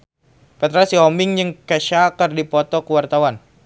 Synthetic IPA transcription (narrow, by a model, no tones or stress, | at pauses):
pɛt̪ɾasiɔmɪŋjəŋkəʃakərdipɔt̪ɔkəwart̪awan